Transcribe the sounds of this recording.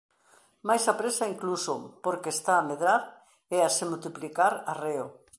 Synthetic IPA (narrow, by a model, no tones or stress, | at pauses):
majsapɾesaiŋkluso̰poɾkeːst̪aːmeðɾaɾ | ɛasemult̪iplikaɾareo